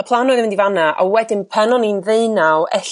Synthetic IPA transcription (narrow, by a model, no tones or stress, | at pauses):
əpʰlˠanɔːðmɪndivanaʔɔwɛdɪnpʰɛnɔninðeɨnawɛɬ